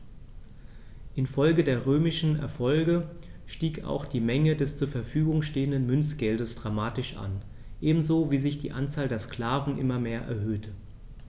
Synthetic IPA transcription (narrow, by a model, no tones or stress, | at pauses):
ʔɪnfɔlɡədeːɐʁøːmɪʃn̩ɛ̰ɐfɔlɡə | ʃtiːka̰ʊxd̥iːmɛŋədɛst͡suːɐfɛɐfyːɡʊŋʃteːəndənmʏnsɡ̥ɛldəsd̥ʁamaːtɪʃʔa̰n | ʔeːbm̩zoːviːzɪçd̥iːʔant͡saːldeːɐskl̥aːvn̩ʔɪ̰mɐmeːɐʔɛ̰ɐɦøːtʰə